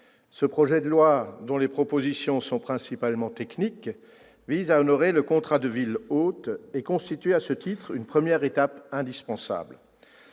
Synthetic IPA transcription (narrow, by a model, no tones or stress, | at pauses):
səpχɔʒɛd̪əlwad̪ɔ̃lepχɔpozisjɔ̃sɔ̃pχɛ̃sipalmɑ̃t̪ɛknik | vizaɔnɔʁeləkɔ̃t̪χad̪əvilot̪ekɔ̃st̪it̪ɥeasət̪it̪χynpχəmjɛʁet̪apɛ̃d̪ispɑ̃sa̰bl